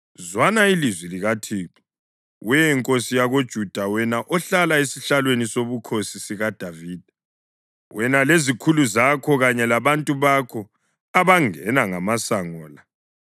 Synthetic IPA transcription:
zwanailizwiliɣatʰiːkɔ | wɛjɛŋkʼosijaɣod̥ʒ̥ʱud̥ʱawɛnaʔɔɬalaesiɬalwenisoβukʰosisiɣad̥ʱaviːd̥ʱḁ | wʔɛnalezikʰuluzakʰɔɣaɲɛlaβantʼuβakʰɔ | aβaŋɛnaŋamasaŋɔːla

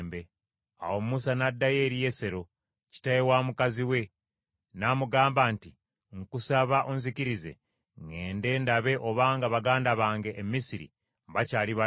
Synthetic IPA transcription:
mbe̞ | a̰wo̞mmusanadːaje̞ːɾije̞se̞ɾo̞ | ci̥tajewaːmukaziwe̞ | naːmuɡaːmbaːnti | ŋkusaβaʔonziciɾize̞̰ | ŋɡe̞ːnde̞ːndaβe̞ʔo̞βaːŋɡaβaɡaːndaβaːŋɡe̞ʔːmːisiɾḭ | mβacaːliβa

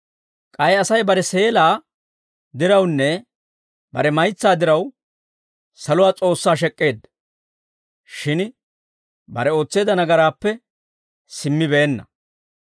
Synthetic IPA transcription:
kʼɐjɐsɐjbɐɾɛse̞ːlaː | d̪ɪɾɐwnːɛ | bɐɾɛmɐjt͡sːaːd̪ɪɾɐw | sɐlʊwaːt͡sʼo̞ːsːaːʃ̬ɛkʼːe̞ːd̪ | ʃɪn | bɐ̰ɾɛo̞ːt͡sːe̞ːd̪ɐnɐɡɐɾaːpːɛ | sɪmːɪbeːnːɐ̰

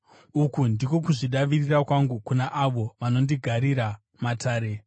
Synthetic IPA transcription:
ukundiko̞kuʐiɗaʋirirakwaŋɡukunaʔaʋo̞ʋano̞ndiɡʱaɾiɾa | matʰaːɾe̞

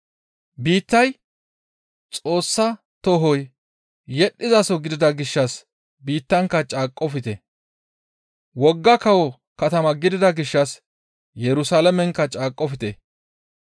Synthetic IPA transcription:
biːt̪ːɐj | t͡sʼo̞ːsːɐ | t̪ɔɦɔj | jɛɗːɪzɐsɔɡɪd̪ɪd̪ɐɡɪʃːɐs | biːt̪ːɐŋkːɐt͡ʃʼaːkʼːɔfɪt̪ɛ | wɔɡːɐkɐwɔ | kɐt̪ɐmɐɡɪd̪ɪd̪ɐɡɪʃːɐs | jɛɾʊsaːlɐmɛŋkːɐt͡ʃʼaːkʼːɔfɪt̪ɛ̰

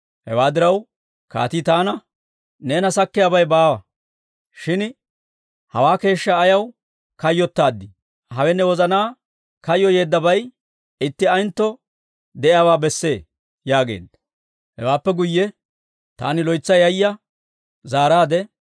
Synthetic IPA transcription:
hɛ̰waːd̪ɪɾɐw | ka̰ːt̪it̪aːnɐ | neːnɐsɐkːɪjaːbɐjbaːwɐ | ʃɪn | hɐ̰waːke̞ːʃːɐːjɐw | kɐjːɔt̪ːaːd̪ːɪ | hɐwɛnːɛwɔzɐnaː | kɐjːɔje̞ːd̪ːɐbɐj | ɪt̪ːɪɐjnt̪ːɔ | d̪ɛʔɪjaːwaːbɛsːe̞ː | jaːɡe̞̰ːd̪ːɐ | hɛ̰waːpːɛɡʊjːɛ | t̪a̰ːnɪlɔjt͡sːɐjɐjːɐ | zaːɾaːd̪ɛ

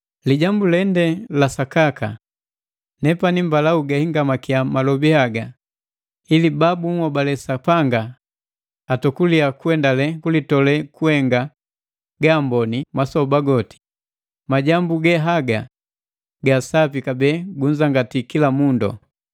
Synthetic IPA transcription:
liɟambulɛndɛlasakaka̰ | nɛpanimbalauɡahiŋɡamakiamalɔbihaɡa | ilibabuŋwɔbalɛsapaŋɡaː | tɔkuliakuɛndalɛkulitɔlɛkuhɛŋɡa | ɡaːmbɔnimasɔbaɡɔti̥ | maɟambuɡɛɦaɡa | ɡasapikabɛɡuɲd͡ʒaŋɡatikilamundɔ̰

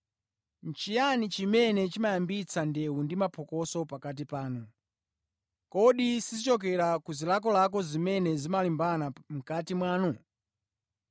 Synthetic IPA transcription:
n̩t͡ʃijanit͡ʃimɛnɛt͡ʃimajambit͡sʰandɛundimapʰɔkɔsɔpakat̬ipaːnu | kɔɗisizit͡ʃɔk̬ɛɾakuzilak̬ɔlak̬ɔzimɛnɛzimalimbanam̩katimwaːnu

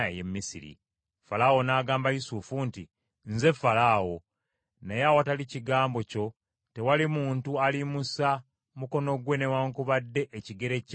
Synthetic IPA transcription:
ḛjḛmːisḭɾḭ | falawo̞naːɡaːmbajusufunti | nze̞falaːwo̞ | nejawataliciɡaːmbo̞co̞ | te̞walimuːntualimusa | muko̞no̞ɡwe̞newaŋkuβadːe̞ʔeciɡe̞ɾe̞c

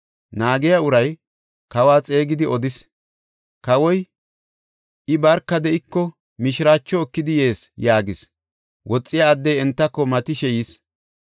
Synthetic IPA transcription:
naːɡɛjɐʊɾɐj | kɐwaːt͡sʼe̞ːɡɪd̪ɪɔd̪ɪs | kɐwɔj | ʔɪbɐɾkːɐd̪ɛɪkːɔ | mɪʃɪɾaːt͡ʃːɔːkːɪd̪ɪje̞ːsjaːɡɪs | wʔɔt͡sʼːɪjaːd̪ːɛjɛnt̪ːɐkːɔmɐt̪ɪʃɛjis

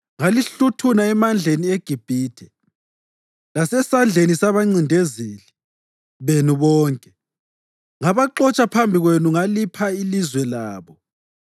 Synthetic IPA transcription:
ŋaliɬutʰunaɛmand͡ɮʱenieɡ̥ʱib̥ʱiːtʰɛ | lasɛsand͡ɮʱenisaβaŋ͡ǀindʱeziːli | βenuβɔːŋkʼɛ | ŋaβaǃɔt͡ʃʼapʰambʱiɣwenuŋalipʰailizwɛlaːβɔ

